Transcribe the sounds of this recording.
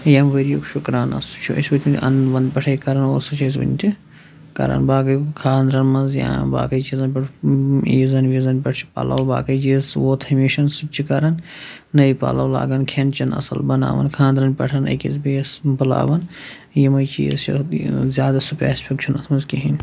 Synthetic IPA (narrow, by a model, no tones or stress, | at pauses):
jɐmʋeɾijoːkʃukɾaːnɐ̰su̥t͡ʃʰuɐ̰sʲʋɐt̪ʲinʲʔɐ̰nʋɐnd̪pʲɐʈʰɐikɐɾɐnoːsut͡ʃʰɐs̬ʋɐ̰nʲt̪ʲi | kɐ̰ɾɐ̰nbaːkɐjkʰaːnd̪ɾɐnmɐnzja̰ba̰ːkɐjt͡ʃiːzɐnpʲɐʈizɐnʋizɐnpʲɐʈʰt͡ʃʰi̥pa̰ːlʔa̰wba̰ːkɐjt͡ʃiːzʋoːt̪ʰɐmiʃɐnsut͡ʃʰːikɐɾɐnː | ɐʋipa̰ːlɐːwla̰ːɡɐnkʰent͡ʃɐnɐ̰sɐ̰lbɐna̰ːʋɐ̰nkʰaːnd̪ɾɐnpʲɐʈʰɐnɐ̰kizbeːsbɐla̰ːʋɐn | jɐmɐjt͡ʃḭːzt͡ʃɐ̰zjaːd̪asupʲa̰ːspʰʲikt͡ʃʰunɐt̪ʰmɐnzkʲiɦin